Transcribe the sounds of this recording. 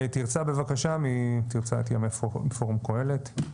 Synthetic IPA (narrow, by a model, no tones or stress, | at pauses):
t̪iʁt͡sabe̞vakaʃamit̪iʁt͡saet̪jamefofoʁmkoe̞let